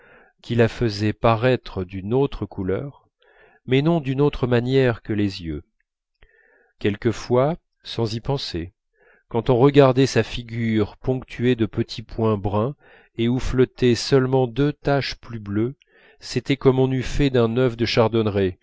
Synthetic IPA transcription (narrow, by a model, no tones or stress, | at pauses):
kʲʰilafəzɛpaʁɛt̪χəd̪ynot̪χəkulœʁ | mɛnɔ̃d̪ynot̪χəmanjɛʁkəlezjø̰ | kʲɛlkəfwa | sɑ̃zipɑ̃se | kɑ̃t̪ɔ̃ʁəɡaʁd̪ɛsafiɡʲyʁpɔ̃kt̪ʰyed̪əpət̪ʰipwɛ̃bʁɛ̃ | euflɔt̪ɛsœlmɑ̃d̪øt̪aʃplyblø | set̪ɛkɔmɔ̃nyfɛd̪ɛ̃nœvd̪əʃaʁd̪ɔnʁe